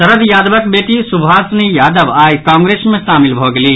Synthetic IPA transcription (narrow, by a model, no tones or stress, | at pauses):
sɐɾəd̪jaːd̪ʋɐk̚beːʈisubʱaːsnijaːd̪əʋaːjkãːŋɡɾeːsmẽʃaːmɪlbʱoːɡɐliː